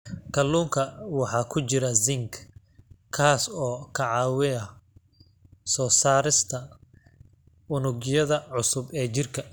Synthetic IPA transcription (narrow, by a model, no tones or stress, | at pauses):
kʰɐlːuːŋkʰɐwɑħɑːkʰʊt͡ʃɪɾɐzɪŋk | kʰaːsɔːkʰɐʕɑːwɪɐ | sɔːsaːɾɪst̪ʰɐ | ʊnʊɡjɐðɐʕʊsʊbɛːt͡ʃɪrkʰɐ